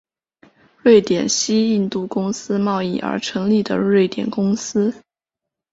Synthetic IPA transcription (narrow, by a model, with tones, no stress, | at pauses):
ɻwe˥˩ɪt̪jɛ˨˩nɕi˥i˥˧nt̪u˥˩kʊ˥ŋsɹ̩˥mɑ˥˧ʊi˥˩ʔə̰˞˧˥ʈ͡ʂʰɤ˧˥ŋli˥˩d̪ə̰˩ɻwe˥˩ɪt̪jɛ̰˨˩nkʊ˥ŋsɹ̩˥